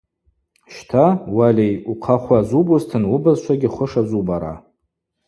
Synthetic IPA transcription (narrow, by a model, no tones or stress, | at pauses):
ʃtʰawalʲejuqʰaχʷazubuztʰɨnubazʃʷʰaɡʲɪχʷʊʂazubaɾa̰